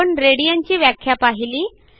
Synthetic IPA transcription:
əɳɾeɽijaɲt͡ɕiːʋjakʰːjapaɦiliː

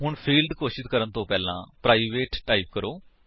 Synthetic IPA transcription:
ɦʊɳpʰiːlɖ̪koːʃɪd̪kəɾənt̪õːpɛːlã̰ːpɾaːiʋeːʈʈaːiːp̚kəɾoː

